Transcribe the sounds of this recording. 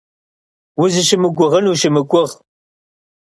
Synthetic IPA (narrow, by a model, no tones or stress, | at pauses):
wʊzɨʃɪmɨɡʷʊʁənuːʃɪmɨkʷʼʊʁ